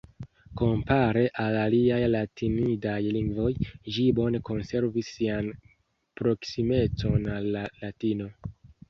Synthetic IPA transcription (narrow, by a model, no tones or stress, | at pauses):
ko̞mpaɾe̞ʔalaliajlatʰinidajliŋɡvo̞jʒibo̞ne̞ko̞nse̞ɾvisːian | pɾo̞ksime̞t͡so̞nalːaːatino̞